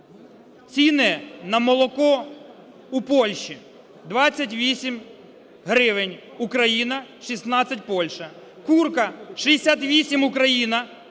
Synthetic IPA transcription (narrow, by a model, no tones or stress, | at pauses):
t͡sʲinɛnɐmɔlˠɔkɔ | upɔlʲʃi | d̪ʋɑt͡sʲːɐtʲʋʲisʲim | ɦɾɪʋɪnʲ | ʊkɾɐjinɐʃisnɑt͡sʲːɐt̬ʲpɔlʲʃɐ | kurkɐʃijesʲat̪ʋʲisʲimʊkɾɐjinɐ